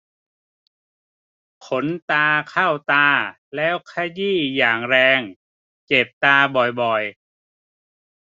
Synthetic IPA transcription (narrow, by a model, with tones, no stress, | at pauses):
kʰo˩˦nt̪aː˧kʰa˥˩wt̪aː˧ | lɛː˦˥wkʰa˧jiː˥˩jaː˨˩ŋɾɛː˧ŋ | t͡ɕe˨˩p̚t̪aː˧bɔ˨˩jbɔ˨˩j